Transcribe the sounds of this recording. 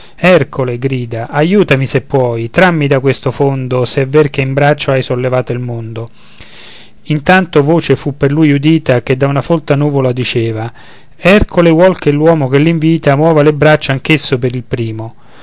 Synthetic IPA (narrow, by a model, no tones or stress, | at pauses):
ɛrkʰoleɡɾiːd̪aʔajuːt̪amisepːwɔjt̪ɾamːid̪akwest̪ofond̪osɛvːerkeimbɾat͡ʃːoajsolːevaːt̪oilmond̪o | int̪ant̪ovoːt͡ʃefupːerlujud̪iːt̪ak̟ed̪ːaunafɔlt̪anuːvolad̪it͡ʃɛːva | ɛrkʰolewɔlkelːwɔːmokelːiɱviːt̪amwɔːvalebɾat͡ʃːaaŋk̟esːopeɾilpɾiːmo